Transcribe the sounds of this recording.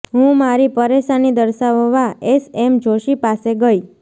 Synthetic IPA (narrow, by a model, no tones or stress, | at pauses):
ɦũmaɾipəɾeʃanid̪əɾʃaʋəʋaesemd͡ʒʱoʃipaseɡəj